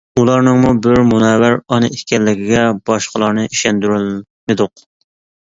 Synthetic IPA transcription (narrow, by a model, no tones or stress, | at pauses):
ulˠɑɾnɨŋmubɪɾmunɛwæɾɑnɨʔikʲɛlːɪkʲɪɡʲɛbɑʃqəlˠɑɾnɨʔiʃɛnd̪yɾyl | mɪd̪ʊq